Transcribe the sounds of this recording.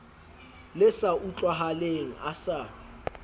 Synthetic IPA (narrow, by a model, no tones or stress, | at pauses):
lɪsaʔut͡ɬʼwaɦaleŋ̩ʔasa